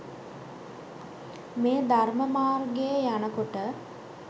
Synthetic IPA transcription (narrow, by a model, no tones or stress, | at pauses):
meːd̪ʱarməmaːrɡejəjanəkoʈə